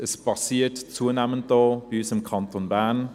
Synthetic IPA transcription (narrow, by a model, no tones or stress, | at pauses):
əspɑsiːtt͡suːənɛmənt̚d̥oːb̥iysɪmkʰɑntonbæɐn